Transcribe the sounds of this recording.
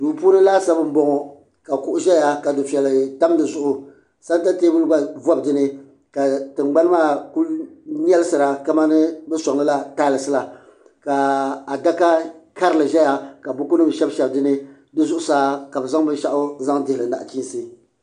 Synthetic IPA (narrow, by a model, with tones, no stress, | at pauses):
duː˨puː˦nɨ˦la˦sa˦bɨ˦m̩˦bɔ˦ŋɔ˨ | ka˨kʊ˨ʔʊ˨ʒɛ˦ja˨ka˨dɨ˨fɛ˨lɨ˨ta˦m˦dɨ˨zʊ˦ʔʊ˨ | sa˦n˦ta˦teː˦bʊ˦lɨ˦ɡ͡ba˦vɔ˦bdɨ˦nɨ˦ | ka˨tɨ˨ŋ͡mɡ͡ba˦n˦maː˦˨ku˦ln˦ɛ˦lɨ˦sɨ˨ɾa˨ka˦ma˦nɨ˦bɛ˦sɔ˨ŋlɨ˦la˦ta˦lɨ˨sɨ˦la˨ | ka˨a˨da˦ka˦ka˦ɾɨ˦lɨ˨ʒɛ˦ja˨ka˨bʊ˦ku˦nɨ˦m˨ʃɛ˦bʃɛ˨bdɨ˦nɨ˦ | dɨ˦zʊ˦ʔʊ˦saː˦ka˨bɨ˨za˦ŋ˦bɨ˦nʃa˦ʔʊ˦za˦ŋdɪ˨hlɨ˨na̰˨ʔt͡ʃi˦n˦˨sɨ˦˨